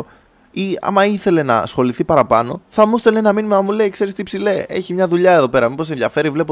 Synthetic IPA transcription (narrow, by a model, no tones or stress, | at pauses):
iɐ̰mɐiθe̞le̞nɐ̰sxo̞liθipɐɾɐpɐno̞̰θɐmust̪elenɐminimɐmule̞ikse̞ɾist̪ipsile̞eçimɲɐðuʎɐeðo̞pe̞ɾɐmipo̞s̬e̞nðjɐfe̞ɾivle̞po